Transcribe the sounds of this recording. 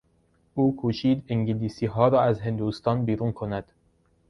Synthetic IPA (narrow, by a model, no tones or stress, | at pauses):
ʔuːkʰuːʃiːd̪eŋɟeliːsiːɦɒːɾɒːæzɦe̞nd̪uːst̪ɒːnbiːɾuːnkʰonæd̪̥